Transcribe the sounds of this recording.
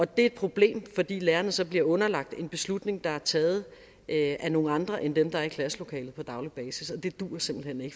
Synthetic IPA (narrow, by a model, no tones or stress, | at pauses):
ɒ̽d̥e̝ɐed̥̚pʰʁo̝b̥le̝̰ːmfɒ̽d̥ḭːleːɐnəsɒ̽b̥liɐɔ̽nɐlɑ̈ɡ̥̚d̥e̝nb̥e̝slud̥ne̝ŋd̥ɑ̈æɐt͡sʰɛːð̞̩ˠ | ʔʔæno̝ːŋ̩ɑ̈nd̥ʁɐʔend̥emd̥ɑ̈æɐikʰlæslo̝kʰɛ̰ːlð̩ˠpʰɒ̽d̥ɑ̈ʊlib̥ɛːsisɒ̽d̥e̝d̥uːɐse̝m̰b̥l̩hene̝ɡ̥ə